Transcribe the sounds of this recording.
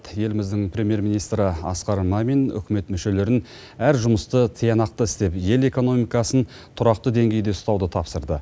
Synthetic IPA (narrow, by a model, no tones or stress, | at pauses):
t̪je̞lɪmɪzd̪ɪŋpʰɾʲe̞mʲje̞ɾmʲinijst̪ɾəɑ̰sqɑɾmɑmenʏ̰kʲme̞t̪mʏʃe̞le̞ɾɪn | æɾʒʊməst̪ət̪ʰijɑnɑq̚t̪əɪst̪e̞pje̞le̞ko̞no̞mijkɑsən | t̪ʰʊɾɑq̚t̪əd̪e̞ŋɡʲe̞jd̪e̞ʊst̪ɑwd̪ət̪ʰɑpsəɾd̪ə